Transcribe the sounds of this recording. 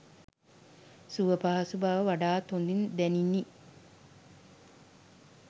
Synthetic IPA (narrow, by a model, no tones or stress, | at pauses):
suʋəpaɦasubaʋəʋaɖaːt̪ond̪ind̪ɛninːi